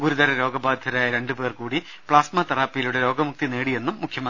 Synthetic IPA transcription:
ɡuɾuðɐɾɐɾo̞ːɡɐbaːd̪ʱjɐɾaːjɐɾe̞ɳɖɨbe̞ːrkuːɽi | pɭaːsmɐt̪ɐraːpːijiluɽeɾo̞ːɡɐmuk̚t̪ineːɽije̞nːumːukʰjɐmɐn

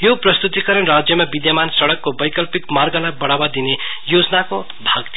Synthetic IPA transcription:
joprʌst̪ut̪ikʌɾʌnrad͡zjʌmabid̪jamansʌɽʌkːobʌjkʌlpikmarɡʌlajbʌɽ̃abad̪ine | jod͡zʌnako | bʱaɡt̪ʰ

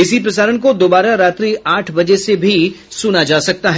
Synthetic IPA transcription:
ɪsipɾɐsaːɾənk̬od̪oːbaːɾaɾaːt̪ɾiʔaːʈʰbɐd͡ʒesebʱi | sʊnad͡ʒaːsɐk̚t̪aɦɛ

